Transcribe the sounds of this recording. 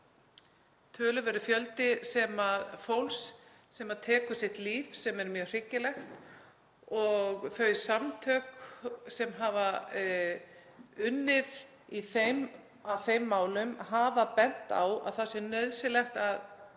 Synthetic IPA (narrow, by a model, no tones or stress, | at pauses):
t̪ʰœːlʏvɛɾʏfjœlt̪ɪsɛmaðfowls | sɛmaðt̪ʰɛːkʏ̥sɪht̪liːfsɛmɛɾmjœːɣr̥ɪcːɪlɛxt̪ | ɔɣθœɥsamt̪ʰœːksɛmɦava | ʏnːɪð | iθejm | awθejmːaːwlʏmɦaːvapɛn̥t̪a̰wa̰ðθasɪnœɥðsɪlɛxt̪að